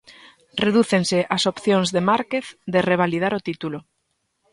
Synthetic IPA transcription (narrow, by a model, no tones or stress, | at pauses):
reðuθeŋsɪʔasopθjoŋzðemaɾkeθd̪ereβ̞alið̞aɾot̪it̪ulo